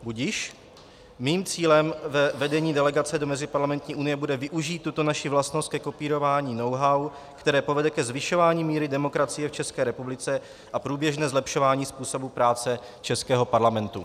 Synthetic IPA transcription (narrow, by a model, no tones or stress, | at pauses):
buɟɪʃ | miːmt͡siːlɛmvɛvɛdɛɲiːdɛlɛɡat͡sɛdo̞mɛzɪpaɾlamɛnt̪ɲiːʔunɪjɛbudɛvɪʔuʒiːt̪ːut̪onaʃivlast̪nost̪kɛko̞piːɾo̞vaːɲiːno̞wɦaw | kt̪ɛɾɛːpo̞vɛdɛkɛzvɪʃo̞vaːɲiːmiːɾɪdɛmo̞kɾat͡sɪjɛft͡ʃɛskɛːɾɛpublɪt͡sɛ | ʔapɾuːbjɛʒnɛːzlɛpʃo̞vaːɲiːspuːso̞bupɾaːt͡sɛ | t͡ʃɛskɛːɦo̞paɾlamɛnt̪u